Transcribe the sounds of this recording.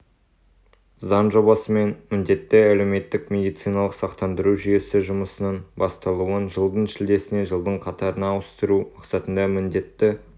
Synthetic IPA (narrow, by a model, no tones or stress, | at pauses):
zɑnʒo̞bɑsəme̞nmɪnd̪e̞t̪ːɪæle̞wme̞t̪ːɪkmʲe̞d̪ijt̪sijnɑlˠəqsɑqt̪ɑnd̪əɾuʒʏje̞sɪʒʊməsənəɴbɑst̪ɑlˠuənʒəlˠd̪əɴʃɪld̪e̞sɪne̞ʒəlˠd̪əɴqʰɑt̪ɑɾənɑːwəst̪əɾumɑqsɑt̪ənd̪ɑmɪnd̪e̞t̪ːɪ